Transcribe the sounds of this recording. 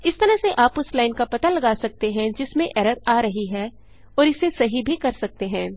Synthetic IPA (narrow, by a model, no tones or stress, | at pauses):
ɪst̪ɐɾə̃seʔaːpʊslaːɪnkapɐt̪alɐɡaːsɐk̚t̪eɦɛ̃d͡ʒɪsmẽʔɛɾəɾaːɾɐɦiɦɛː | ɔːɾɪsesɐɦibʱikɐɾsɐk̚t̪eɦɛ̃ː